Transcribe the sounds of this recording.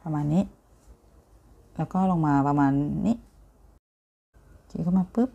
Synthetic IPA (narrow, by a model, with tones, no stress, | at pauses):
pa˧maː˧˨nːiː˦˥ | lɛː˦˥wkɔː˥˩˨lɔ˧ŋmaː˧pa˧maː˧nːi˦˥ʔ | kḭ˧˨kʰɔ˧˥˩maː˧pɯ˦˥p̚